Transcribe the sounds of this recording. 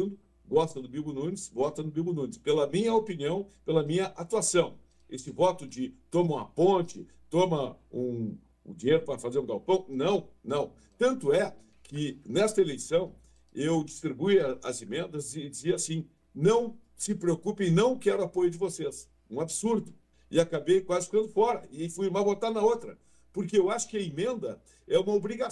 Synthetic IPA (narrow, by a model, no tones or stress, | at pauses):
nd̪ʊ | ɡɔst̪ɐd̪ʊbibʊnũnɪsvɔt̪ɐd̪ʊbibʊnũnɪspelɐmĩɲɐopiniɐ̃w̃pelɐmĩɲɐʔat̪uasɐ̃w̃ | esɪvɔt̪ʊd͡ʒɪt̪õmɐũɐ̰põnt͡ʃɪ | t̪õmɐũ | ũd͡ʒiɲejɾʊpɾɐfazeɾũɡawpɐ̃w̃nɐ̃w̃nɐ̃w̃ | t̪ɐ̃nt̪ʊɛ | kʰɪnɛst̪ɐelejsɐ̃w̃ | ewd͡ʒist̪ɾibujɐɐ̰zemẽnd̪ɐzɪd͡ʒɪziɐasĩ | nɐ̃w̃ | sɪpɾeokupẽɪnɐ̃w̃kɛɾʊapojʊd͡ʒɪvoses | ũabsuɾd̪ʊ | ɪakabejkwazɪfi̥kɐ̃d̪ʊfɔɾɐɪfujɾmabot̪aɾnɐot̪ɾɐ | poɾkeewaʃʊ̥kɪɐimẽnd̪ɐ | ɛũmɐobɾiɡa